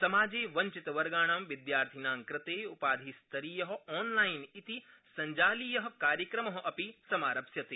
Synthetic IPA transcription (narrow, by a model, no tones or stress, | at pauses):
sɐmaːd͡ʒeːʋɐɲt͡ʃit̪ɐʋɐɾɡaːɳ̃aːmʋid̪jaːɾt̪ʰinaːŋkɾɪt̪eːupaːd̪ʱiːst̪ʰɐɾiːjɐɦɐ̆ɔːnlaːjnit̪i | sɐɲd͡ʒaːliːjɐɦɐ̆kaːɾjɐkɾɐmɐɦɐ̆ʔɐpisɐmaːɾɐpsjɐt̪eː